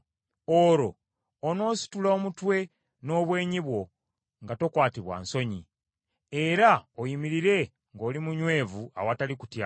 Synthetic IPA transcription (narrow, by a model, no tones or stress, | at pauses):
o̞ɾo̞ː | no̞ːsi̥tulaomutwe̞ | no̞ːβwe̞ːɲiβwo̞ | ŋɡato̞kwaːtiβwa̰nso̞ɲi | eɾaojimiɾiɾe̞ | ŋɡo̞ːlimuɲwe̞ːvua̰wataliku̥tja